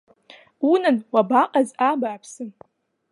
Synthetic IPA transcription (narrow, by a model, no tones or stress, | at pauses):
unɨnwabaqʼazabaːpʰsɨn